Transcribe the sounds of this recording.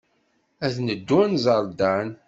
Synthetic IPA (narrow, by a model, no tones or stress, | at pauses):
æðnəd̪ːuænzˤəɾˤd̪æn